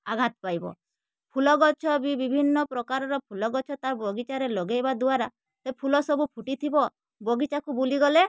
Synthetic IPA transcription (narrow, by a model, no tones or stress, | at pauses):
aɡʱat̪ɔpajbɔ̰ | pʰulɔɡɔt͡ʃʰɔbibibʱinːɔpɾɔkaɾɔɾɔpʰulɔɡɔt͡ʃʰɔt̪aɾbɔɡit͡ʃaɾelɔɡejbad̪uaɾa | sepʰulɔsɔbupʰuʈit̪ʰibɔ | bɔɡit͡ʃakubuliɡɔle